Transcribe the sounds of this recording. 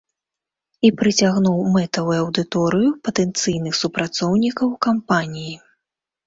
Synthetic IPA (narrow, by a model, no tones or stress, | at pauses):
ipɾɨt͡sʲaɣnuwmɛt̪ɐvujɐwd̪ɨt̪ɔɾɨjupɐt̪ɛnt̪sɨjnɨxsupɾat̪sɔwnʲikɐwkampanʲiji